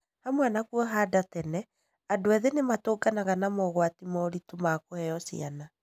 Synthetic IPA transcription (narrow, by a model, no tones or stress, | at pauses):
hamwanakuɔɦaːdatɛnɛ | adoɛðenematoːɡanaɣanamɔɣwatimɔɾitumakohɛjɔsḭana